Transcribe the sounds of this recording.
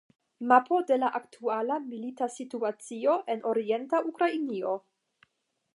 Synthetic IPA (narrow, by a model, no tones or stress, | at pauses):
mapo̞de̞laʔaktʰualamilitasituat͡sio̞ʔe̞nʔo̞ɾie̞ntaʔukɾainio̞